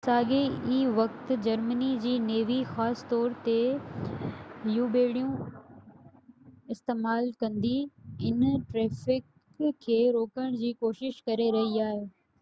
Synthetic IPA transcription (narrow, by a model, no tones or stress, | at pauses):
saːɡeiːʋɐkt̪̆d͡ʑɐɾmənid͡ʑiːneːʋixaːst̪ɔːɾt̪e | juːbeːɽijũ | ɪst̪eːmaːlkɐ̃nd̪iɪnʈɾeːfɪk | kʰːeːɾoːkəɽ̃d͡ʑiːkoːʃɪʃkɐɾeɾɐɦiaːɦeː